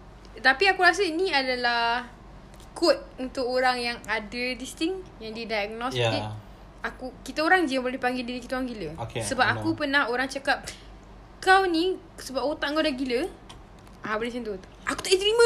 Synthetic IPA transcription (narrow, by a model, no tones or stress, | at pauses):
t̪apiakuɾas̬əinĩadala | kɔt̪̚unt̪ʊkoɾaŋjaŋadədist̪ɪŋjaŋdidajak̚nɔsti | akukit̪aoɾaŋd͡ʒiəbolɛhpaŋɡidiɾikit̪əaŋɡiləokesəbap̚akupənahoɾaŋt͡ʃakap̚ | kawnĩ | səbap̚ot̪aʔŋɡadaɡilə | abəlisənt̪u | akut̪uʔit̪ɾimə̃